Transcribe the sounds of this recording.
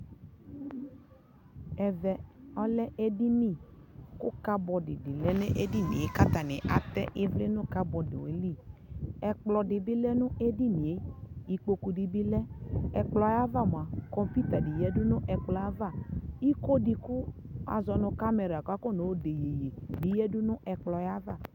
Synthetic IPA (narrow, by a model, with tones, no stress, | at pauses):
ɛ˨vɛ˨ɔ˦lɛ˦ʔe˦di˦mi˦˨kʊ˦ka˦bɔ˨dɪ̰˨dɪ˨lɛ˦ne˦ʔe˦di˦nḭ˨e˨˦ka˦t̪a˨nɪ˨ʔa˨t̪ɛ̰˦ʔɪ˦vle˦nʊ˦ka˦bɔ˨dɪ̰˨wḛ˨˦li˦˨ɛ˨k͡plɔ˨dɪ˨bɪ˦lɛ˦nʊ˦ʔe˦di˦ni˨e˨˦i˨k͡po˦ku˨di˨bɪ˦lɛ˦ɛ˨k͡plɔ˦ja˦va˦˨m˨a˨kɔ˦mpi˦t̪a˨di˨jɛ˦dʊ˦nʊ̃˦ʔɛ˨k͡plɔ˦a˦va˦˨i˦ko˦di˨kʊ˦a̰˨zɔ˨nʊ̃˨˧ka˦mɛ˨ɾa˨ka˦ko˦˨no˨˦o˦de˨je˨je˨di˨jɛ˦dʊ˦nʊ˦ʔɛ˨k͡plɔ˨ja˦va˦˨